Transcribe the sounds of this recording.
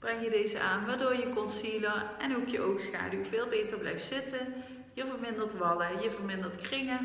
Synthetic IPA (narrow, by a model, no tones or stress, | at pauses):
b̥rɛŋjədejzə̰ʔaːnʋaːdoːɹjəkɔnsiləɛnowkjəʔowxsxa̰ːdywvɪːlˠbejtəɹblɛ̰jftsɪtən | jəvəɹmɪndəɹtʋɑdəjəvəɹmɪndəɹtkrɪŋə